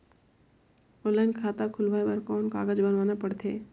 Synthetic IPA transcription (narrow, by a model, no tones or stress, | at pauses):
ɔlaɪnkʰaːt̪akʰʊlʋaːebəɾkɔːnka̰ːɡəd͡ʒbənʋaːnapəɽt̪ʰḛː